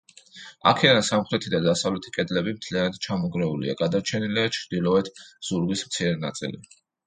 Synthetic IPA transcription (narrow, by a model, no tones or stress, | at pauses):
a̰kʰɛd̪ansamχɾɛt̪ʰid̪ad̪asavlɛt̪ʰi̥kʼɛd̪lɛbimt̪ʰlianad̪̥̚t͡ʃʰamɔɡɾɛulḭa̰ɡad̪aɾt͡ʃʰɛniliat͡ʃʰɾd̪̥ilˠɔɛt̪ʰz̥uɾɡismt̪sʰiɾɛna̰t̪sʼḭlḭ